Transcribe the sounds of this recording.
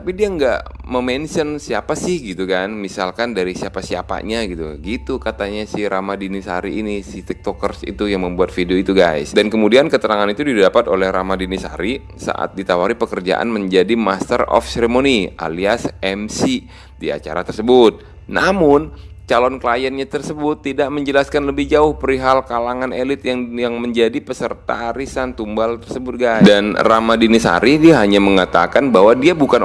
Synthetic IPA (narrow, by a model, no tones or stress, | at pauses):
t̪apidiaŋɡaʔ | məmɛnsiənsiapasɪhɡit̪ukanmisalkandaɾisiapasiapa̰ʔɲaɡit̪uɡit̪ukat̪aɲasɪhɾamadinɪsha̰ɾiːnisit̪ɛk̚t̪okərsḭt̪ujaŋməmbuat̪̚fidioit̪uɡajsdankəmudiankət̪əɾaŋanit̪udidapat̪olɛhramadinɪsha̰ɾi | sa̰ʔa̰t̪̚dit̪awaɾipəkərd͡ʒa̰ʔa̰nməɲd͡ʒadimast̪ərɔ̰fseɾemoniʔa̰liasɛmsi | dia̰t͡ʃa̰ɾa̰t̪ərsəbʊt̪̚ | namʊnt͡ʃalɔnklajənɲat̪ərsəbʊt̪ːidaʔməɲd͡ʒəlaskanləbɪhd͡ʒaʊhpəɾiɦalkalaŋanelɪt̪̚jaŋjaŋməɲd͡ʒadipəsərt̪a̰ːɾisant̪umbalt̪ərsəbʊt̪̚ɡadanramadinisa̰ɾidiaɦaɲaməŋat̪a̰kanbaɦwadiabukan